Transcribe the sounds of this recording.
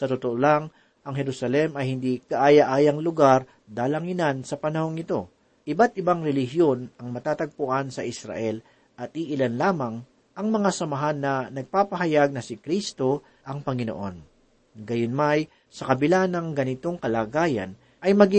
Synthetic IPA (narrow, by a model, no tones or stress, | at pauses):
sɐt̪ot̪oʔolaŋ | ʔɐŋɦɛɾusɐlɛmɐjhɪnd̪ikɐʔaːjaʔaːjɐŋlʊɡaɾ | d̪aːlɐŋɪnansɐpɐnɐho̞ŋːɪt̪o̞ | ʔɪbat̪̚ʔɪbaŋɾɛlɪɦjo̞nɐŋmɐt̪aːt̪ɐɡ̚pʊʔansɐʔɪsɾa̰ʔɛl | ʔɐt̪̚ʔiʔɪlanlaːmɐŋ | ʔɐŋmɐŋasɐmɐɦanːɐnɐɡ̚paːpɐɦɐjaɡ̚nɐsɪkɾist̪o̞ | ʔɐŋpɐŋɪno̰ʔo̞̰n | ɡɐjonmaj | sɐkɐbɪlanɐŋɡɐnɪt̪o̞ŋkɐlaːɡaːjɐ̰n | ʔɐjmɐɡɪ